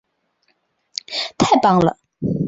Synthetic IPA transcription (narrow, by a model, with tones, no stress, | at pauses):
t̪ʰɛ˥˨ʔpa˥˨ŋla̰˨